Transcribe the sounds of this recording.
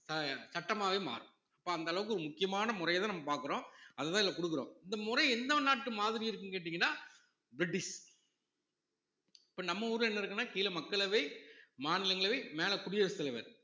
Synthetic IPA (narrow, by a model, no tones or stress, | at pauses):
sɐsɐʈːɐmaːʋeːma̰ːɾɯ̃ | ɐpːoːɐnd̪ɐlɐʋɯk̬ːɯɔɾɯmʊkːɪjɐmaːnɐmʊrɐjɐt̪ãːnɐmːɐpaːɾkɯɾõːɐðɐt̪ãːɪlːɐkɔɽɯk̬ːɯɾõ̰ːɪnd̪ɐmʊɾɐɪɛnd̪ɐnaːʈːɯmaːðɪɾɪɪɾɯkːɯŋkeːʈ̬ːɪiŋɡɐnːaː | bɪɾɪʈːɪʂ | ɪpːoːnɐmːɐuːɾɯlɛnːɐɪɾɯkːɯnːaːkiːlɐmɐkːɐɭɐʋeːmaːnɪlɐŋɡɐɭɐʋeːmeːlɐkʊɽɪjɐʋɐst̪ːɐlɐʋɐ̰ɾ